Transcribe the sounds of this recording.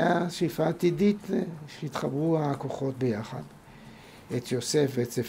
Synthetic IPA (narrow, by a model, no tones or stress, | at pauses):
aʃifaːt̪idit̪ʃeit̪χabʁuako̞χo̞t̚bejaχa̰d | et̪jo̞sefveetsef